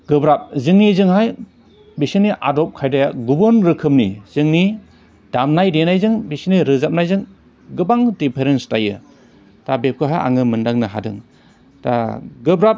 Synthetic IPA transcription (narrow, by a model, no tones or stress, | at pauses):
ɡ̥ɯbɾap̚zɯŋnizɯŋɦaj | bisiniʔadɔp̚kʰajdajaɡubɯnɾɯkʰɯmniz̥ɯŋni | d̥amnajdenajzɯŋbisiniɾɯzap̚najzɯŋ | ɡɯbaŋdipʰeɾenstajɯ̰ | tabep̚kʰɯɦaja̰ŋɯmɯndaŋnɯɦa̰dɯ̰ŋ | ta̰ɡɯbɾap̚